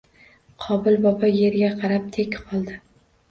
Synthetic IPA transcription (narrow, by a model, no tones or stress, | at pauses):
qʰɒbɪlbɒbaje̞ɾɡʲaqʰɑɾap̚t̪ʰekʲqʰɒlˠd̪ɪ